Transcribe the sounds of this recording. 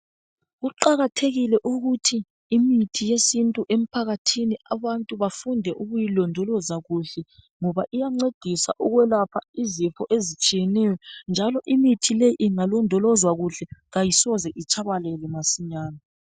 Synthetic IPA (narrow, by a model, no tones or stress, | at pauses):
ɣuǃaɣatʰeɣilɛʔuɣutʰiː | mitʰijesintʼuʔem̩pʰaɣatʰiniaβantʼuβafundʱɛʔuɣujilɔndʱɔlɔzaɣuɬɛ | ŋɔβaʔijaŋ͡ǀed̥ʱisa̰ʔuɣwɛlapʰaizifʰɔʔezit͡ʃʼijɛnɛjɔnd͡ʒʱalɔʔimitʰileiŋalɔndʱɔlɔzwaɣuɬɛɣajisɔzɛʔit͡ʃʰʼaβalɛlɛmasiɲaːna